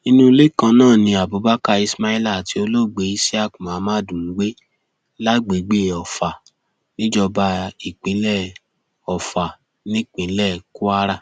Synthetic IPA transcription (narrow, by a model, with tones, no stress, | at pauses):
i˧nũ˦˧le˦˨kã˧nãː˦˨nĩ˧a˨bo˨˦ba˦ka˧i˧sma˦i˦la˦˨ti˨˧o˧lo˦˨ɡ͡be˨˦i˧˦si˦a˦˨kũ˨mã˨˦mãː˦dũ˨˦ɡ͡be˦ | la˦ɡ͡be˨˦ɡ͡be˦˨ɔ˨fa˨ | nĩ˦d͡ʒɔ˧ba˧i˨k͡pĩ˨˦lɛ˦˨ | ɔ˨fa˨ | nĩ˦k͡pĩ˨˦lɛ˦˨ku˦a˦ɾa˦